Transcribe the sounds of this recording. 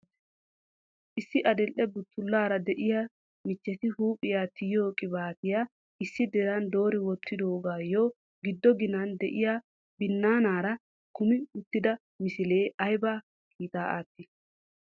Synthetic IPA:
ʔɪsːɪʔɐd̪ɛlʔɛbʊt̪ʰːʊlːaːɾɐd̪ɛʔɪja | mɪt͡ʃːɛt̪ɪhuːpʼɪjaːt̪ʰɪjoːkʼɪbaːt̪ɪjaː | ɪsːɪd̪ɛɾɐnd̪o̞ːɾɪwɔt̪ːɪd̪o̞ːɡaːjo | ɡɪd̪ːɔɡɪnɐnd̪ɛʔɪjaː | bɪnːaːnaːɾɐ | kʊmɪʊt̪ːɪd̪ɐ | mɪsɪle̞ːʔɐjbaː | kʰiːt̪ʼaːʔa̰ːt̪ːɪ

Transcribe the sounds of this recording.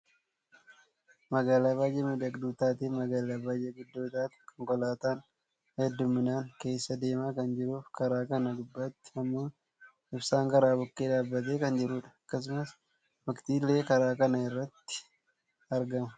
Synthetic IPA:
mɐɡaːlaːbaːjeːmɪd̪ɐkd̪uːt̪aːt̪iːmɐɡaːlaːbaːjeːɡʊd̪ːoːt̪aːt̪kɔŋkɔlaːt̪aːn | hɐɛd̪ːʊmːɪnaːŋke̞ːsːɐd̪e̞ːmaːkɐnd͡ʒɪɾuːfkɐɾaːkɐnɐd̪ʊbːɐt̪ːɪ̥ɐmːoː | ɪbsaːŋkɐɾaːbʊkːeːᶑaːbːɐt̪̬e̞ːkɐnd͡ʒɪɾuːᶑɐ̥ɐkːɐs̬ʊmɐs | mɐkt̪iːlːe̞ːkɐɾaːkɐnɐɪrːɐt̪ːɪ̥ | ɐɾɡɐmɐ

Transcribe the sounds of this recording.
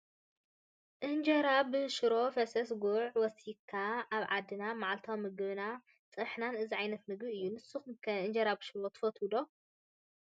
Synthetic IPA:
ʔɨnd͡ʒɐɾabɨʃɨɾo̞fɐsɐsɡuʕwɔsikʰːaaβʕad̪ːɨnamaʕalt̪ʰawmɨɡɨβna | t͡sʼɨħnanɨziʕajnɐt̪̚mɨɡbiɨjːunɨsːuxumkʰɐʔɨnd͡ʒɐɾabɨʃɨɾot̪ʰɨ̥fɐt̪ʰud̪o̞

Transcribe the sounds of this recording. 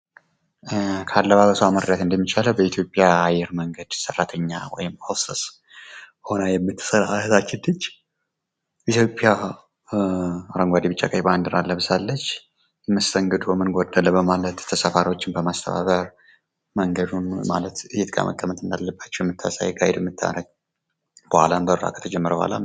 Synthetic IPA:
kʰalːəβaβəsəwaməɾd̪at̪ɨnd̪əmːit͡ʃaləwbəit̪ʰjo̞pʼjaːjːɛɾməŋɡəd̪̥sərːat̪ʰəɲːawɔ̰jɪmhosəs | ho̞nəjɛmːɨt̪ʰːɨ̥səɾaat̪at͡ʃːɪd̪ɨt͡ʃː | bit̪jo̞pʼːɪja | ɾəŋɡʷad̪ibɨt͡ʃʼːa̰kʼajband̪ɨɾalːəβɨsalːət͡ʃː | jɛməst̪ʰəŋɡɨd̪ubəmːɨnɡod̪əlːəbəmalət̪ʰːəsəfaɾiwo̞t͡ʃːɪnbəmast̪ʰəβa̰βəɾ | məŋɡəd̪unma̰lət̪ɨjɛt̪kʰʼa̰mə̰kʼːəmət̪ɨnd̪alːəbːat͡ʃːɛwjɛmːɨt̪ʰːa̰sa̰jɡʼajɛd̪ɛmːɨt̪ʰːa̰ɾəɡ̚ | b̥əhalanbəɾɾa̰kʰə̥t̪ʰəd͡ʒɛmːəɾəbə̰ha̰la̰

